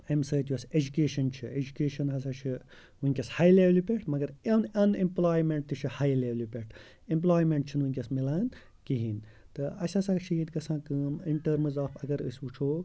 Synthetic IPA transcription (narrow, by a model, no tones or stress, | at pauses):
emsɐːt̪jɐsed͡ʒukeːʃɐnt͡ʃʰied͡ʒukeːʃɐnɦɐs̬aːt͡ʃʰi | uiŋʲkʲɐshaːjleʋlipʲeʈʰmɐɡɐɾɐnɐnẽmplaːjmẽɳʈ̚t̪ɨt͡ʃʰihaːjleʋlipʲeʈʰ | emp̬laːjmeɳʈ̚t͡ʃʰinuĩŋʲkʲɐsmilaːn | kiɦin | t̪ɨɐ̰sʲɐsaːkt͡ʃʰiit̪ɡɐsʰãːkɨmiɳʈəɾmzaːfɐɡɐɾə̰sʲut͡ʃʰoː